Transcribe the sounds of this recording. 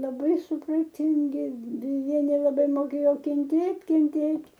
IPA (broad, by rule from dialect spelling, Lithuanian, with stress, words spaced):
lˠɐˈbɐɪ sʊprɐˈtʲɪŋʲɡʲɪ dʲɛˈjɛ nʲɛlˠɐˈbɐɪ moːˈkʲeːjoː kʲɛnʲˈtʲeːtʲ kʲɛnʲˈtʲeːtʲ